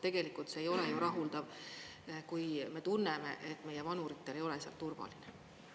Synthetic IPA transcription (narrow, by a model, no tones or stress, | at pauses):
t̪e̞ɡ̥elikult̪se̞ːjo̞lejuɾɑɦuld̪ɑv | kujme̞t̪unːeme̞̰ʔe̞t̪ːme̞jevɑnuɾit̪ːˑe̞le̞jo̞leseɑ̰lt̪urvɑ̰line